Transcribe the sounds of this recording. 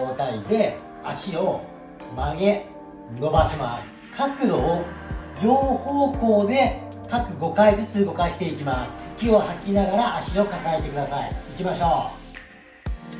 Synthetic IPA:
oːt̪aɾʲid̪e̞ | aɕio̞ | maɡe̞ | no̞baɕimasɨ̥kʰakɯ̟d̪o̞ | joːhoːko̞ːd̪e̞ | kakɯ̟ɡo̞kaizɨt͡sɨɡo̞kaɕi̥t̪e̞ikʲimasɨ̥kʲiohakʲːinaɡaɾaʔaɕio̞kakae̞t̪e̞kɯd̪asaḭːkʲimaɕo̞ː

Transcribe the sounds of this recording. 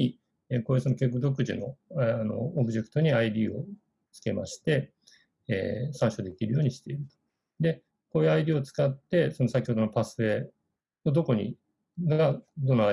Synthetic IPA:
i | eko̞ːjɯːso̞no̞kʲek̬ːɯ̟zo̞kɯ̟ʑḭno̞̰ano̰ːbɯ̟d͡ʑe̞kɯ̟̥t̪o̞ɲ̟iaid̪ʲiːo̞̰ | t͡sɨ̥ke̞̰ma̰ɕi̥t̪e̞ | ḛːsãɰ̃ɕod̪e̞kʲiɾɯ̟jo̞ːɲ̟iɕi̥t̪e̞iɾɯ̟t̪o̥ | d̪e̞ | koːjɯ̟aid̪iːo̞t͡sɨ̥kat̪ːe̞so̞no̞sakʲiho̞d̪o̞no̞pasɨe̞ | od̪o̞ko̞ɲ̟ḭ | ɡad̪o̞nːoa

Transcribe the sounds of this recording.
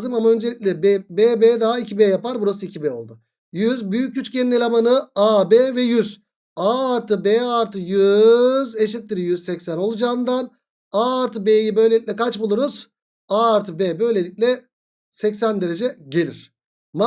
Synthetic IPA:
zɯmamaø̞nd͡ʒelʲicʲlʲɛbebeːbeːd̪aɦaicʰibeːjapaɾbuɾasɯicʰibeo̞̰lˠd̪ʊ | jyzbyjyc̚ɟyt͡ʃcenelʲamanɯabeːvɛjyz | aːɾt̪ʰɯbeːaɾt̪ʰɯjyzeʃ̬it̪̚ːʲiɾijyzsɛcsæno̞lˠud͡ʒaːɯnd̪an | aɾt̪ʰɯbejibø̞jlʲe̞lʲiclʲɛkʰat͡ʃbulˠuɾuz̥ | aːɾt̪ʰɯbebø̞jlʲe̞lʲic̚ʲlʲɛ | sɛcsænd̪e̞ɾe̞d͡ʒɛɟe̞lʲiɾ̥ | ma

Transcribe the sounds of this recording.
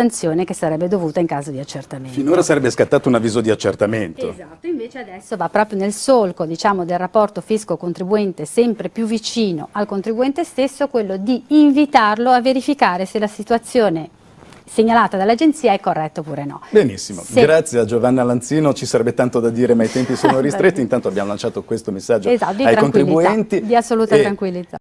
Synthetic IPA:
ant̪sjoːnekesaɾɛbːed̪ovuːt̪aiŋkaːzod̪iat͡ʃːert̪ameninoːɾasaɾɛbːeskat̪ːaːt̪ounavːiːzod̪iat͡ʃːḛrt̪ament̪o̰zat̪ːoiɱveːt͡ʃead̪ɛsːovapːɾɔːpɾjonelsolkod̪it͡ʃaːmod̪elrapːɔrt̪ofiskokont̪ɾibuɛnt̪esɛmpɾepjuvːit͡ʃiːno̰ʔalkont̪ɾibuɛnt̪est̪esːokwelːod̪iːɱvit̪arloavːeɾifikaːɾeselasit̪uat̪sːjoːne | seɲːalaːt̪ad̪alːad͡ʒent̪siːaɛkːorːɛt̪ːopuːɾenɔ̰benisːimo̰ɡɾat̪sjead͡ʒovanːalant̪siːnot͡ʃisaɾɛbːet̪ant̪od̪ad̪iːɾemait̪ɛmpisoːnoɾist̪ɾet̪ːint̪ant̪oabːjamolant͡ʃaːt̪okwest̪omesːad͡ʒːoezat̪ːd̪iajɾaonk̪iɾibuɛnt̪id̪iasːoluːt̪at̪ɾaŋkwilːid̪a̰

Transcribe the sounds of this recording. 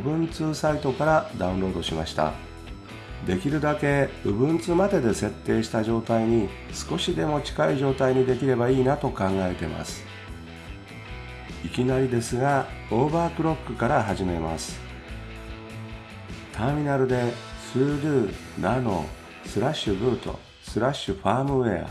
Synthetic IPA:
ɯbɯ̟̃nt͡sɨːsait̪o̞kaɾad̪aɯ̟̃nɾo̞ːd̪o̞ɕimaɕi̥t̪a̰ | d̪e̞kʲiɾɯ̟d̪ake̞ɯ̟bɯ̟̃nt͡sɨːmad̪e̞d̪e̞se̞t̪ːe̞ːɕi̥t̪aʑo̞ːt̪aiɲ̟i | sɨ̥ko̞ɕid̪e̞mo̞t͡ɕi̥kaiʑo̞ːt̪aiɲ̟id̪e̞kʲiɾe̞baiːnat̪o̞kãŋɡae̞t̪e̞ma̰sɨ̥ | ikʲinaɾʲid̪e̞sɨɡao̞ːbaːkɯ̟ɾo̞kːɯ̟kaɾaɦaʑime̞ma̰sɨ̥ | t̪ʰaːmʲinaɾɯ̟d̪e̞sɨːɾɯ̟ː | nano̞̰ | sɨɾaɕɨbɯ̟ːt̪o̞̰ | sɨɾaɕɨɸaːmɯ̟ea̰

